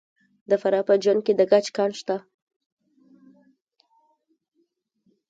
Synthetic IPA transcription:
d̪əfaɾɑpəd͡ʒwan̚ked̪əɡat͡ʃkɑnʃt̪a

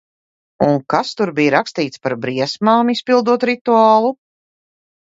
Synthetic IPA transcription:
uŋkast̪uɾbijɾakst̪iːt̪spaɾbɾiɛsmaːmispilˠd̪uɔt̪ɾit̪uaːlˠu

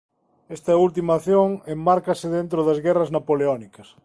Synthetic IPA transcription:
est̪ɐult̪̬imaːθjoŋemmaɾkɐsɪðent̪ɾoðɐzɣɛrɐznapoleɔnikɐs

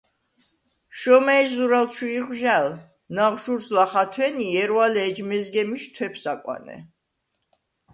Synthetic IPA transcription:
ʃɔmɛɛzuɾalʃʰwiːʁʒal | naʁʃuɾslaχat̪ʰwɛniɛɾwalɛːd͡ʒmɛzɡɛmiʃt̪ʰwɛpʰsakʼwa̰nɛ̰

